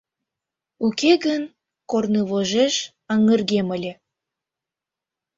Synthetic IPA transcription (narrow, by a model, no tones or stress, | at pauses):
ukeɣən | kornɤβoʒeʃ | ɑŋə̆rɣeməlʲĕ